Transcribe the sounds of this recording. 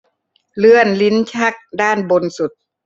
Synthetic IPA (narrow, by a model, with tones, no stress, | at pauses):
lɯ˧˥ənli˧˦˥nt͡ɕʰa˦˥˩k̚daː˥˩nbo˧nsu˨˩t̪̚